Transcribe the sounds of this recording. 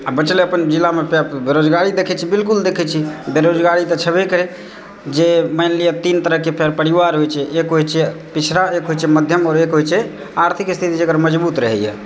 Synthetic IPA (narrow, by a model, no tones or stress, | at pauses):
abət͡ʃleəpənd͡ʒilːamepbeɾod͡ʒɡaɾid̪ekʰɛt͡ʃʰibilkuld̪ekʰɛt͡ʃʰibeɾod͡ʒɡaɾit̪ət͡ʃʰəbɛkəɾe | d͡ʒeməjnlijat̪int̪əɾəɦkepʰɛɾpəɾiʋaɾɦojt͡ʃʰɛʔekɦojt͡ʃʰɛpit͡ʃʰɾaekɦojt͡ʃʰɛməd̪ʱjəmɔːɾekɦojt͡ʃʰɛ | aɾt̪ʰikst̪ʰit̪id͡ʒekɾməd͡ʒbut̪ɾəɦɛ̰jɛ̰